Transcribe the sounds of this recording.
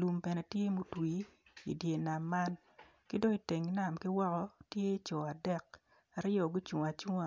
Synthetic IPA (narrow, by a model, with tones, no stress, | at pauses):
lu˨mpɛ˨nɛ˨tje˦mu˦twi˨˦ḭ˨dje˨na˨mːa˦n | ki˦do˦i˨te˨ŋna˨mkɪ˦wɔ˦kɔ˦tje˦t͡ʃɔ˨a˨dɛ˦k̚ | a˨ɾɪ˦jɔ˨ɡʊ˦t͡ʃu˨a˨t͡ʃu˦ŋa˦